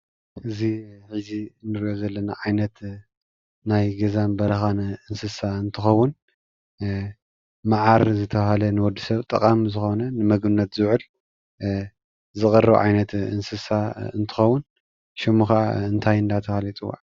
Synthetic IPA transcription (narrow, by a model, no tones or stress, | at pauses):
ʔɨziħɨzinɨɾiʔozɐlːɐnaʕajnɐt̪ | najɡɐzambɐɾɐxanʔɨnsɨsaɨnt̪ʰɨxɐwːʊn | maʕaɾzɨt̪ʰɐβahalɐnɨwɔd̪ːisɐβt̪ʼɨkʼamzɨxonɐnɨmɐɡɨnːɐt̪zɨʕɨl | zɨkʼɨɾɐʕa̰jnɐt̪ɨnsɨsaɨnt̪ʰɨ̥xɐwːʊn | ʃɛmːuxaʔa̰ɨnt̪ʰajɨnd̪at̪ʰɐfalit͡sʼɨwa̰ʕ